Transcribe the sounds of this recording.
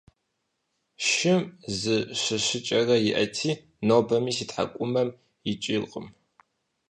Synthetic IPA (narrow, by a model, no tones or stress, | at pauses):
ʃɪmzɨɕɨɕɨt͡ʃʼɐrɐjɪʔɐ̰tʰiː | noːbɐmiːsiːtħa̰kʷʼʊmɐm | jɪt͡ʃʼilqʼə̰m